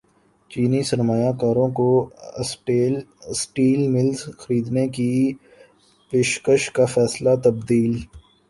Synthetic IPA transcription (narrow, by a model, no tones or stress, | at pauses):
t͡ʃiːnisɐɾmaːjakaːɾõko | sʈiːlmɪlzxəɾiːd̪neki | peːʃkəʃkafɛːslat̪ɐb̚d̪iːl